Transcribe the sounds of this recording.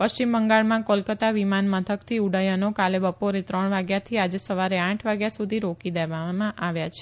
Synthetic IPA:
pəst͡ʃimbəŋɡaɭmãkolkət̪aʋimanmət̪ʰəkt̪ʰiuɽajənokalebəpoɾet̪ɾəɳʋaɡjat̪ʰiad͡ʒesəʋaɾeãʈʰʋaɡjasud̪ʱiɾokid̪eʋamãʔaʋjat͡ʃʰe̥

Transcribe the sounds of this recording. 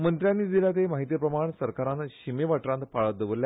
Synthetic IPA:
mənt̪ɾjanːiːd̪iljat̪emaɦit̪jəpɾəmaɳsəɾkaɾãnt̪ɕimeʋaʈɾãnt̪paɭəd̪əʋəlːja

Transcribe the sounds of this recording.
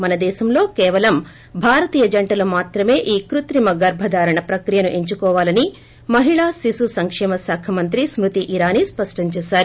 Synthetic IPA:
mɐnɐd̪ɛːʃɐmlo̞ːkɛːʋɐlɐm | bʱaːɾɐt̪ijɐd͡ʒɐɳʈɐloːmaːt̪ɾɐme̞ːʔiːkɾut̪ɾimɐɡɐɾbʱɐd̪aːɾɐɳɐpɾɐkɾijɐnuʔe̞ɲt͡ʃukɔːʋaːlɐni | mɐɦiɭaːsisusɐŋkʂɛːmɐsaːkʰɐmɐnt̪ɾismɾut̪iʔiɾaːnispɐʂʈɐɲt͡ʃɛːsaːɾu

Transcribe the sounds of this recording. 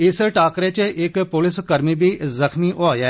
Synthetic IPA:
ɪsʈaːkɾet͡ʃeʔekpʊlɪskɐɾmibʱizɐxmiʔoaːjɛː

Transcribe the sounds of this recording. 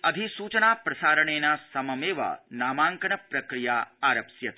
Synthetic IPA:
ɐd̪ʱisuːt͡ʃɐnaːpɾɐsaːɾɐɳ̃eːnasɐmɐmeːʋa̰naːmaːŋkɐnɐpɾɐkɾijaːaːɾɐpsjɐt̪

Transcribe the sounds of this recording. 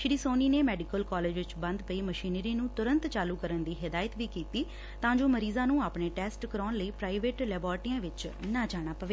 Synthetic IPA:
ʃɪɽiːsoːniːneːmɛːɖɪkəlkɔːleːd͡ʒʋɪt͡ʃbə̃nd̪pəiːməʃiːnɾiːnũːt̪ʊɾə̃nt̪t͡ʃaːluːkəɾənd̪iːɦɪd̪aːjət̪ʋiːkiːt̪iː | t̪ãːd͡ʒoːməɾiːzãːnũːaːpɳeːʈɛːsʈkəɾɔːnləiːpɾaːɪʋeːʈlɛːbɔːɾʈiːãːʋɪt͡ʃnaːd͡ʒaːɽ̃aːpəʋeː

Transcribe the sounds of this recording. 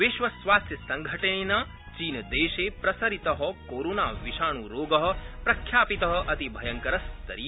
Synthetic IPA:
ʋɪʃʋɐsʋaːst̪jɐsɐŋɡʱɐʈɐnena | t͡ʃiːnd̪eːʃepɾɐsɐɾit̪ɐɦɔkoːɾoːnaːʋiʃaːɳ̃uɾoːɡɐɦɔ̆pɾɐkʰjaːpit̪ɐɦɐ̆ʔɐt̪ibʱɐjɐŋkɐɾɐst̪ɐɾiː

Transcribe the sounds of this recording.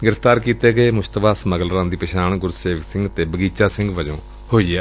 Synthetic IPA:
ɡɪɾəfʰt̪aːɾkiːt̪eːɡəeːmʊst̪əbaːsməɡəlɾãːnd̪iːpɪʃaːɳɡʊɾseːʋəksɪ̃ŋɡt̪eːbəɡiːt͡ʃaːsɪ̃ŋɡʋəd͡ʒõː | hoːiːɛː

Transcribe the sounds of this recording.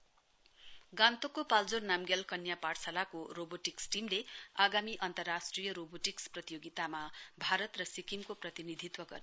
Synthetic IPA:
ɡãnt̪okːopald͡zornamɡelkʌnjaparsalakoroboʈiksʈimleaɡamiʔʌnt̪ʌrːasʈrijʌɾoboʈiksprʌt̪ijoɡit̪amabʱaɾʌt̪rʌsikimkoprʌt̪inid̪ʱit̪wʌɡʌ̰rne

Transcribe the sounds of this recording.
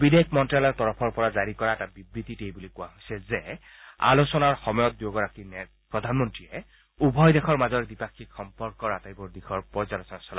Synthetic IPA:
bidekʰmɔntɹalɔɹtɔɹɔpʰɔɹpɔɹazaɹikɔɹaɛtabibɹit̪itejbulikʊwaɦojsɛzɛ | a̰losɔnaɹxɔmɔjɔt̪̚djoɡɔɹakinɛ | pɹɔd̪ʱanmɔntɹijɛ | ubʱɔjdɛxʰɔɹmazɔɹdipakʰːikxɔmpɔɹkɔɹatajbɔɹdixʰɔɹpɔzalɔsɔnasɔla

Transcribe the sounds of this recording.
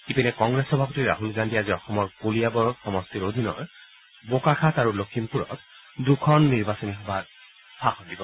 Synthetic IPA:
kipinɛkɔŋɡɹesɔbʱapɔtiɹa̰ɦulɡandiaziɔxɔmɔɹkolijabɔɹxɔmɔstiɹodʱinɔ̰ɹ | bokaxʰataɹulokʰːimpuɹɔ̰t | dukʰɔnːiɹbasɔnixɔba | sʰaxɔndibɔ

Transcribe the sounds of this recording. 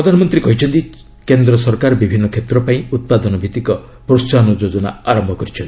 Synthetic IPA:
pɾɔd̪ʱanɔmɔnt̪ɾikɔɦit͡ʃʰɔnt̪i | kend̪ɾɔsɔɾkaɾbibʱinːɔkʰet̪ɾɔpaĩut̪̚pad̪ɔnɔbʱit̪ikɔ | pɾost͡ʃanɔd͡ʒod͡ʒɔna̰aɾɔmbʱɔkɔɾit͡ʃʰnt̪

